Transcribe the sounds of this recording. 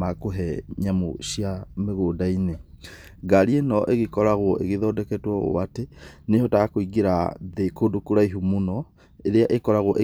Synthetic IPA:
akoɦɛɲamo̰ɕiameɣoːdaine | ɡaɾienɔʔeɣekɔɾaɣwɔʔeɣeðɔdɛkɛtwɔɣo̰watenehɔtakoiɡeɾaðekodokuɾaiɦumunɔ | eɾeaʔekɔɾaɣwɔʔe

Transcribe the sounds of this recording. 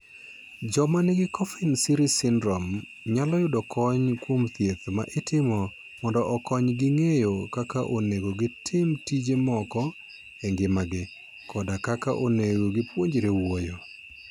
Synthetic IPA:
d͡ʒɔmanɪɡɪkɔfɪnsɪɾisɪndɾɔm | ɲalɔjʊdɔkʰɔɲkwomt̪jet̪ma̰ʔɪtɪmɔ | mɔndɔʔːkɔɲɡɪŋejokakaʔoneɡoɡɪtʰɪmtid͡ʒemɔkɔ | ɛŋɡɪmaɡɪ | kɔdakaka̰ʔoneɡoɡɪpwoɲd͡ʒeɾewojo

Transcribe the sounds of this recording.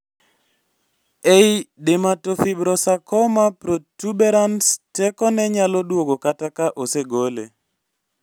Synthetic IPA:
ejdematofibɾɔsakɔmapɾotubɛɾanstɛkɔnɛɲalɔdwoɡokatakaʔoseɡolḛ

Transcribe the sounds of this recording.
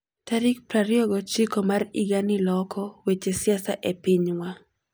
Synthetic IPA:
taɾik̚pɾaɾɪɔɡɔt͡ʃikɔmariɡanilɔkʰɔwet͡ʃesɪasaʔepiɲwa

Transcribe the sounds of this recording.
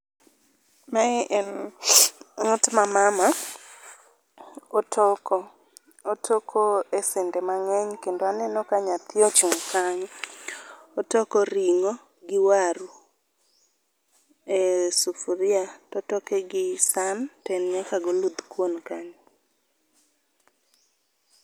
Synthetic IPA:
maʔɛn | ŋʊtmamama | otɔkɔ | otʰokʰoesɪndɛmaŋɛɲkendoanɛnɔkaɲat̪jot͡ʃumkʰaɲ | otɔkoɾiŋo | ɡɪwaɾu | esufuɾɪatɔtɔkɛɡɪsantɛnɲakaɡolud̪kwonkaɲ

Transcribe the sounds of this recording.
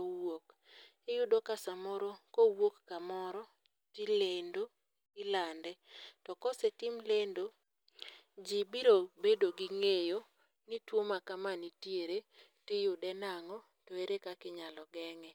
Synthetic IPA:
owok | ɪjʊdokasamɔɾokowokːamɔɾɔ | tilendo | ɪlandɛtɔkɔsetɪmlendo | d͡ʒibiɾobedoɡɪŋejo | nitwomakamanitjeɾe | tɪjʊdɛnaŋɔ | toeɾekakɪɲalɔɡɛŋɛ

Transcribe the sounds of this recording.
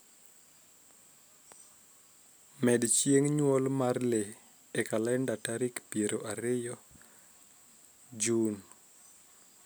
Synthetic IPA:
mɛdt͡ʃieŋɲwɔlmarle | ekalɛndataɾikpieɾoʔaɾɪjɔ | d͡ʒun

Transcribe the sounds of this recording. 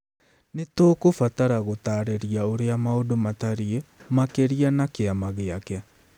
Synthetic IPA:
netoːkofataɾaɣotaːɾeɾiaoɾeamaodomataɾiemakeɾianakeamaɣeakɛa

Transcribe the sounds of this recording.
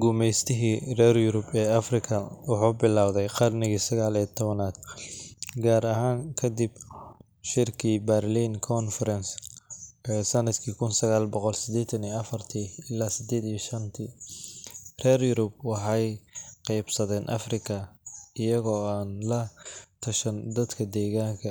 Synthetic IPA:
ɡʊmɛjst̪ʰɪɦirɛːrjʊɾʊbɛːɐfrɪkʰɐwʊħuːbɪlaːwðɛjqɑrnɪɣiːsɐɣaːlit̪ʰɔβɐnaːd̪ | ɡaːɾɐɦaːŋkʰɐd̪ib | ʃɪrkʰibɛrliːnkʰɔnfɛɾɛns | ɛːsɐnɐd̪kʰiːkʰʊnsɐɣaːlbɔqɔlsɪd̪ɛːt̪ʰɐnijɐfɐrt̪ʰiːɪlaːsɪd̪ɛːd̪ijɐʃɐnt̪ʰi | rɛːrjʊɾʊb̚wɑħɑjqɑjbsɐðɛːnʔɐ̰frɪkʰɐɪjɐɣɔːaːnlɐt̪ʰɐʃɐnd̪ɐd̪kʰɐd̪ɛːɣaːŋkʰɐ

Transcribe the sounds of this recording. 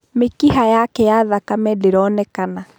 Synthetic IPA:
mekiɦajakɛjaðakamɛdeɾɔnɛkana

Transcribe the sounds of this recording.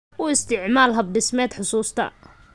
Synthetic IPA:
ʊɪst̪ʰɪʕmaːlɦɐb̚ɖɪsmɛːd̪ħʊsuːst̪ʰɐ̰

